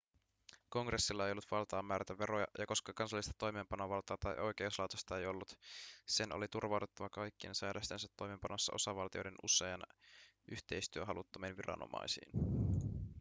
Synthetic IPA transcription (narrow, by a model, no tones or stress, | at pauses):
ko̞ŋɡre̞sːilːɑejolːut̪ʋɑlt̪ɑːmːæːɾæt̪æʋe̞ɾojɑ̰jɑko̞skɑkɑnsɑlːist̪ɑt̪o̞jmeːmpɑnoʋɑlt̪ɑːt̪ɑjʔo̞jk̟e̞uslɑwt̪ost̪ɑe̞jo̞lːut̪se̞nʔo̰lit̪urʋɑwt̪et̪ːɑʋɑkɑjkːie̞̰nsæːdʔæst̪ensæt̪ːo̞jme̞mpɑnosːɑ̰ʔo̞̰sɑʋɑlt̪iojde̞nusˑe̞ɑn | ʔyçt̪e̞jst̪yøɦɑlut̪ːɑminʋiɾɑ̰no̰mɑ̰jsḭːn